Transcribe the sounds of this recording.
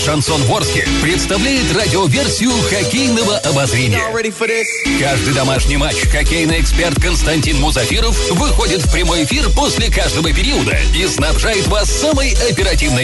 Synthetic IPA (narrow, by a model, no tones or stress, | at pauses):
ʂɐnso̞nvo̞rskʲɪ̰pɾʲɪt̪st̪ɐvlʲæjɪt̪radʲɪovʲe̞rsʲɪjʊxɐkʲejnəvəʔɐbɐzɾʲenʲɪjəɛɾifədɪs | kaʐd̪ɨjd̪ɐmaʂnʲijmat͡ɕːxɐkʲejnɨjɛkspʲe̞rt̪̚kənst̪ɐnʲtʲinmʊzɐfʲiɾəf | vɨxo̞dʲɪt̪fpɾʲɪmo̞jɪfʲirposʲlʲɪkaʐd̪əvəpʲɪɾʲiəd̪ə̰isnɐbʐajɪt̪vasːaməjɐpʲɪɾɐtʲivnɨj